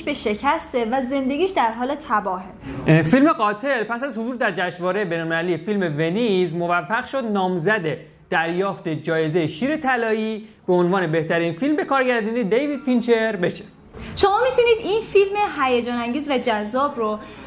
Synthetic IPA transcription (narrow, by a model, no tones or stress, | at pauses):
be̞ʃe̞cʰæst̪evæze̞nd̪e̞ɡʲiːʃd̪æɾɦɒːle̞t̪ʰæbɒːɦefilme̞ɢɒːt̪ʰe̞lpʰæsæzhozuːɾd̪æɾd͡ʒæʃvɒːɾejebenɔlmelælːijefilme̞ve̞nizmo̞væfːæɣʃod̪nɒːmzæd̪e | d̪̥æɾjɒːft̪e̞d͡ʒɒːje̞ze̞jeʃiːɾe̞t̪ʰælɒːiːb̥eonvɒːnebe̞ht̪æɾinfilmbe̞kʰɒːɾɟæɾd̪ind̪ejed̪ejvid̪̥fint͡ʃʰe̞ɾbe̞ʃe | ʃo̞mɒːmit̪ʰuniːd̪ʔinfilme̞ɦæjed͡ʒɒːnæŋɟiːzvæd͡ʒæzːɒːbɾo